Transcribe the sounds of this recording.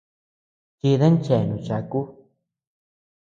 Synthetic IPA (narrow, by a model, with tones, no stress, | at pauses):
ki˧ðe˦nt͡ʃe˨nũ˨˧˨t͡ʃa˧ku˦